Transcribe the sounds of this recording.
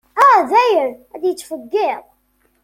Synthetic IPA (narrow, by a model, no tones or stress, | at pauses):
æðæjənæd̪jət͡sːfəɡːeʁˤ